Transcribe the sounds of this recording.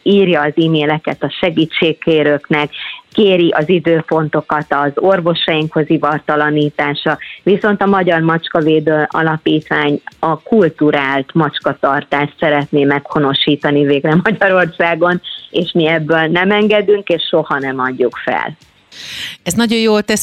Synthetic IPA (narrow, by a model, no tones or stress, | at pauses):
iːrjɒːziːmeːlɛkɛt̪ɒʃɛɡiːt͡ʃːeːkkeːɾøːknɛkːeːɾiʔɒzid̪øːpo̞nt̪o̞kɒt̪ɒzo̞rvo̞ʃɒjiŋkhozivɒrt̪ɒlɒniːt̪aːʃɒviso̞nt̪ɒmɒɟɒrmɒt͡ʃkɒveːd̪øːʔɒ̰lɒpiːt̪ʋaːɲɒkult̪uɾaːlt̪mɒt͡ʃkɒt̪ɒrt̪aːʃt̪sɛɾɛt̪neːmɛkho̞no̞ʃiːt̪ɒniveːɡrɛmɒɟɒɾo̞rsaːɡo̞neːʃmiɛbːøːlnɛmɛŋɡɛd̪yŋkeːʃʃo̞hɒnɛmɒɟːukfɛ̰l | ɛznɒɟo̞joːlt̪ɛs